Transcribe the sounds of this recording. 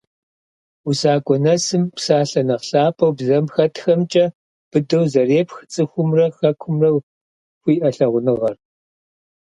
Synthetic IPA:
usaːkʷʼɔnɐsɨmpsaːɬɐnɐqɬaːpʰɐwbzɐmxɐtxɐmt͡ʃʼɐ | b̥ɨdɐwzɐreːpxɨt͡sʼɨxʷʊmrɐxɐkʷʰʊmrɐw | xʷiːʔɐɬɐʁʷʊnɨʁɐr

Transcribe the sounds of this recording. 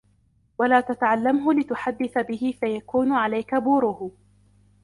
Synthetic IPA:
walaːt̪at̪aʕalːamɦʊlɪt̪ʊħad̪ːɪθabɪhɪfajakuːnʊʕalajkabuːɾʊhʊ

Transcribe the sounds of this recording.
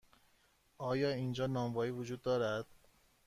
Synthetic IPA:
ʔɒːjɒːiːnd͡ʒɒːnɒːmvɒːiːvod͡ʒuːd̪ːɒːɾæd̪̥

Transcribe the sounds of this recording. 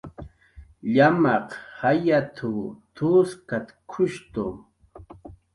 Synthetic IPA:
ʎamɑqhajat̪ʰut̪ʰuskat̪kʰʊʃt̪ʊm

